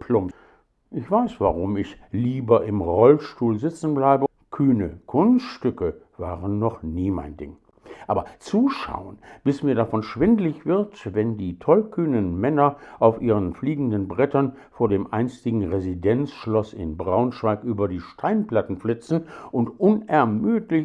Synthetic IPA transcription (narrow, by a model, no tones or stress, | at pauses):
pʰlʊm | ʔɪçv̥aɪsv̥a̰ʁʊmɪçliːbɐʔɪmʁɔlʃtuːlzɪt͡sn̩blaɪbə | kʰyːnəkʰʊnsʃtʏkəv̥aːʁənːɔχniːma̰ɪndɪ̰ŋ | ʔaːbɐt͡suːʃa̰ʊənb̥ɪsmiːɐdafɔnʃv̥ɪndlɪçv̥ɪɐtvɛndiːtʰɔlkʰyːnənmɛnɐʔaʊfʔiːʁənfliːɡŋ̩dənbʁɛtɐn | foːɐdeːmʔa̰ɪnstɪɡŋ̩ʁezidɛnt͡sʃlɔsɪ̰nbʁaʊnʃv̥aɪkʔyːbɐdiːʃtʰaɪnplatn̩flɪt͡sn̩ʔʊntʔʊnɛɐmyːtlɪ